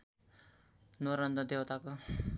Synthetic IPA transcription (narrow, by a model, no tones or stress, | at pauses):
noɾʌnd̪ʌd̪ewt̪ako